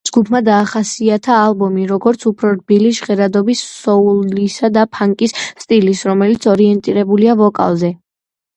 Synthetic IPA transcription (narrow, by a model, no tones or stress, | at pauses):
d͡ʒɡupʰmad̪aːχasiat̪ʰaːlˠbɔmiɾɔɡɔɾt̪sʰupʰɾɔɾbiliʃʁɛɾad̪ɔbisɔulisad̪apʰaŋkʼisːt̪ʼilisɾɔmɛlit̪sʰɔɾiɛnt̪ʼiɾɛbuliavɔkʼa̰lˠzɛ